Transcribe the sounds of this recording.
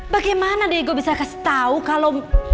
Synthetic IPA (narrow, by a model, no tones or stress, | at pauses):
baɡajmanadeɡobisakasi̥t̪aukalɔm